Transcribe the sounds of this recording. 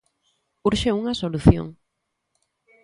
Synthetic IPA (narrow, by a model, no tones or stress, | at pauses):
uɾʃeuŋɐsoluθjo̰ŋ